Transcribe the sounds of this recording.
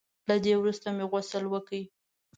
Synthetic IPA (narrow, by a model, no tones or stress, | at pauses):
lad̪ewɾust̪ameɣasəlwəkəi